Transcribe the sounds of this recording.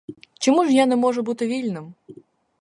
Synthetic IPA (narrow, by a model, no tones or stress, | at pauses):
t͡ʃɔmuʐjanɛmɔʐɐbut̪ɨvʲilʲnɨm